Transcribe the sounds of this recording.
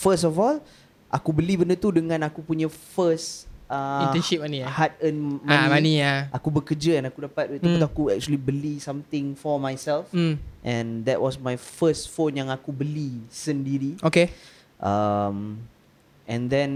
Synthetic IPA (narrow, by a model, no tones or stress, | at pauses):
fəs̬tɔfɔl | ʔakubəlibəndət̪udəŋãnakupuɲəfəsə̃ɛnʃip̚maniahat̪̚ənmãnĩniaʔakubəkəd͡ʒəɛ̃nakudapat̪̚wʔt̪uət̪uakuɛk̚t͡ʃuəlibəlisãmt̪ɪ̃ŋfɔmajsɛlfʔɛ̃nd̪ɛʔ̚wɔsmajfəstfonjãŋakubəlisəndiɾioke | ʔam | ʔɛ̃nd̪ɛ̃n